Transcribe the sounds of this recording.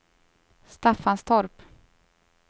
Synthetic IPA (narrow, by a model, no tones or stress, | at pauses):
st̪afːanst̪ʰɔɾp